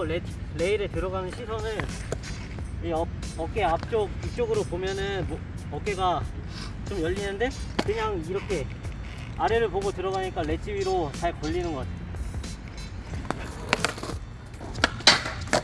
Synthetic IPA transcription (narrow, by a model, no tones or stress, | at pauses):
et͡ɕʰle̞iɾetɯɾʌɡanɯnɕʰisʰʌnɯn | ʌ | ʌk͈e̞ap̚t͡ɕ͈ok̚ik̚t͡ɕ͈oɡɯɾopomjʌnɯnm | ʌk͈eɡa | t͡ɕomjʌʎːinɯnde̞kɯɲaŋiɾʌkʰe̞ | aɾe̞ɾɯɭpoɡotɯɾʌɡaɲik͈ale̞t͡ɕʰibiɾot͡ɕaɭkʌʎːinɯnɡʌtʰ